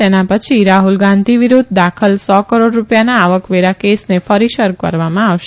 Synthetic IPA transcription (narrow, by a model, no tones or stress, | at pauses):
enapət͡ʃʰiɾaɦulɡãnd̪ʱiʋiɾud̪ʱd̪akʰəlsɔkəɾoɖɾupjanaːʋəkʋeɾakesnefəɾiʃəɾkə̰ɾʋamãaʋʃe